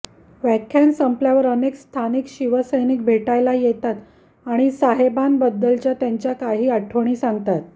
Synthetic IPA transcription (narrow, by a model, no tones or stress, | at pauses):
ʋækʰjansəmpljaʋəɾənekst̪ʰanikɕiʋəsəjnik̚bʱeʈajlajet̪at̪ | aɽ̃isaɦebanbəd̪ːəlt͡ɕjat̪jaɲt͡ɕjakaɦiːaʈʰəʋɳ̃iːsaŋɡt̪at̪̚